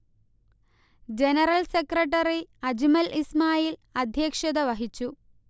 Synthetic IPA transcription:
d͡ʑe̞nɐrɐlsekrɐʈ̬ːɐriɐd͡ʑimɐlismaːjilɐd̪ʱjɐːkʂɐðɐʋɐɦit͡ɕːu

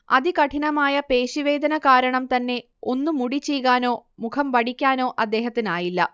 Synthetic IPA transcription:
ɐ̰ðikɐʈʰinɐmaːjɐpe̞ːɕiʋe̞ːd̪ɐnɐkaːɾɐɳɐmt̪ɐnːe̞ | o̞nːumuɽit͡ɕːejkaːno̞ːmukʰɐmʋɐɽikʲːaːno̞ːʔɐd̪ːe̞ːɦɐt̪ːinaːjilːɐ̰

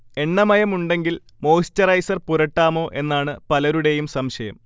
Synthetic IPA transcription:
e̞ɳːɐmɐjɐmuɳɖe̞ŋɡil | mo̞ːstɐrɐjsɐrpuɾɐʈːaːmo̞ːʔe̞nːaːɳɨpɐlɐɾuɽe̞jumsɐmɕɐjɐm

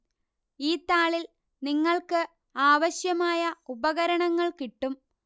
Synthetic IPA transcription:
iːt̪aːɭil | niŋːɐɭkɨ | aːʋɐɕjɐmaːjɐubɐɣɐɾɐɳɐŋːɐɭkiʈːum

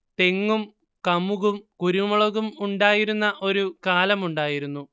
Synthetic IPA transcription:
t̪e̞ŋːum | kɐmuɣumkuɾumɐɭɐɣumuɳɖaːjiɾunːɐʔo̞ɾukaːlɐmuɳɖaːjiɾunːu

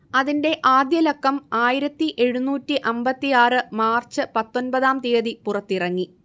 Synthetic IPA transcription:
ɐðinde̞ʔaːd̪jɐlɐkːɐmaːjiɾɐt̪ːiʔe̞ɻunuːtːiʔɐmbɐt̪ːijaːrɨmaːrt͡ɕɨpɐt̪ːo̞nbɐðaːmt̪eːðipurɐt̪ːirɐŋːi

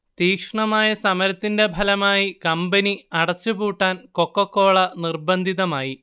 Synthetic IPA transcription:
t̪iːkʂɐɳɐmaːjɐsɐmɐɾɐt̪ːinde̞bʱɐlɐmaːjikɐmbɐniɐɽɐt͡ɕːubuːʈːaːnko̞kːɐkːoːɭɐnirbɐnd̪ʱiðɐmaːji

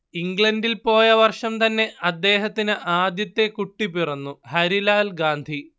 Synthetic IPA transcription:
iŋɡɭɐnɖilpo̞ːjɐʋɐrʂɐmt̪ɐnːe̞ʔɐd̪ːe̞ːɦɐt̪ːinɨʔaːd̪jɐt̪ːe̞kuʈːipirɐnːuhɐɾilaːlɡaːnd̪ʱi

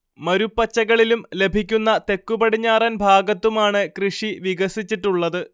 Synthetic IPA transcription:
mɐɾupːɐt͡ɕːɐɣɐɭilumle̞bʱikʲːunːɐt̪e̞kːubɐɽiɲːaːrɐnbʱaːɡɐt̪ːumaːɳɨkrɨʂiʋiɣɐsit͡ɕːiʈːuɭːɐðɨ

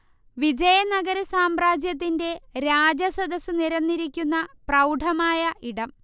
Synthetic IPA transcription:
ʋid͡ʑɐjɐnɐɡɐɾɐsaːmraːd͡ʑjɐt̪̬ːinde̞ɾaːd͡ʑɐsɐd̪ɐsɨniɾɐnːiɾikʲːunːɐprɐwɖʱɐmaːjɐʔiɽɐm

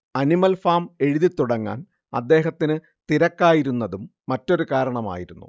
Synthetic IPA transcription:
ɐnimɐlfaːme̞ɻuðit̪ːuɽɐŋːa̰ːn | ɐ̰d̪ːe̞ːɦɐt̪ːinɨ | t̪iɾɐkːaːjiɾunːɐðumːɐtːo̞ɾukaːɾɐɳɐma̰ːjiɾunːṵ

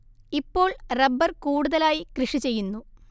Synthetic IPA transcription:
ipːo̞ːɭrɐbːɐrkuːɽuðɐlaːjikrɨʂit͡ɕe̞jːunːu

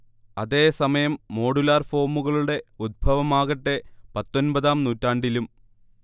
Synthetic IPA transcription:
ɐðe̞ːsɐmɐjɐmːo̞ːɽulaːrfo̞ːmuɣɐɭuɽe̞ud̪̚bʱɐʋɐmaːɣɐʈːe̞pɐt̪ːo̞nbɐðaːmnuːtːaːɳɖilum

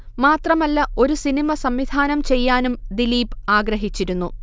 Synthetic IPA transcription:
maːt̪rɐmɐlːɐo̞ɾusinimɐsɐmʋid̪ʱaːnɐmt͡ɕe̞jːaːnumd̪iliːpaːɡɾɐɦit͡ɕːiɾunːu

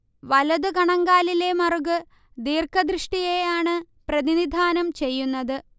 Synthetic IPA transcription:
ʋɐlɐðukɐɳɐŋɡaːlile̞mɐruɡɨ | d̪iːrkɐd̪ɾiʂʈije̞jaːɳɨ | prɐðinid̪ʱaːnɐmt͡ɕe̞jːunːɐðɨ

